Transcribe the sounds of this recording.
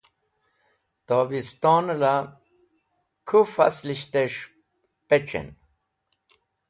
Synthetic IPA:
t̪obist̪onla | kʰufa̰sliɕt̪eʂ | pet͡ʃḛn

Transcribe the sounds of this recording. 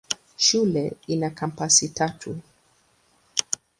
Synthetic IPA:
ʃulɛinakʰam̩pasitatʰu

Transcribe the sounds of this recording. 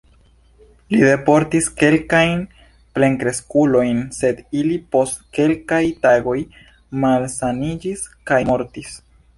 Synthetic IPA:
lide̞po̞ɾtiske̞lkajn | ple̞ŋkɾe̞skulo̞jnse̞dilipo̞stke̞lkajtaɡo̞j | malsanid͡ʒiskajmo̞ɾtis

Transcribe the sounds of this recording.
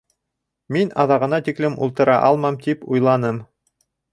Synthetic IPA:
minɑðɑʁɤ̆nɑt̪iklɘmṵlˠt̪ɤ̆ɾɑ̰ʔɑlˠmɑmt̪ipujlˠɑnɤm

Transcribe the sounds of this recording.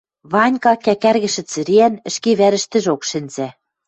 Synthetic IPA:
βɑnʲkɑkækærɣɘ̆ʃɘ̆t͡sɘ̆ɾeænɘ̆ʃkeβæɾɘ̆ʃt̪ɘ̆ʒokʃɘ̆nzæ

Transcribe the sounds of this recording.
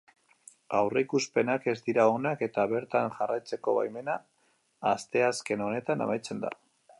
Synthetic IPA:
awreikuspe̞nake̞zd̪iɾaonake̞t̪aβe̞ɾt̪anʝarajt͡se̞ko̞βa̰jme̞naː | st̪e̞aske̞no̞ne̞t̪ana̰majt͡se̞nd̪a̰

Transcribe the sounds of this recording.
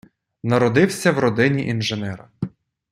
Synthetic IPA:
nɐɾɔd̪ɪwsʲɐwɾɔd̪ɪnʲiʔinʒenɛɾɐ

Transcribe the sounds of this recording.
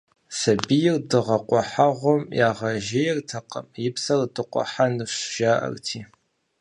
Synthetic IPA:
sɐbijɪrdɨʁɐqʷʼɔħaʁʷɔmjaːʁɐʒɪjɪrtʰɐqʼə̰mjɪpʰsɐrdɨqʷʼɔ̰ħanɨʃʒ̥aːʔɐ̰rtʰiː

